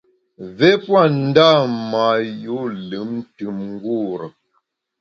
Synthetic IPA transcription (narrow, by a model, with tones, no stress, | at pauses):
vɛ˦pwa˦˨n̩˦da˦˨ma˨ju˨˦lɨ˨˦mn˦tɨ˨˦mŋ̩˦ɡu˦˨ɾə˨